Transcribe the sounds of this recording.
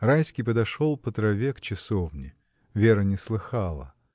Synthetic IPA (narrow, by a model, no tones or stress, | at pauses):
ɾajsʲkʲijpəd̪ɐʂolˠpət̪ɾɐvʲekt͡ɕɪsovnʲɪ | vʲe̞ɾənʲɪslˠɨxalˠə̰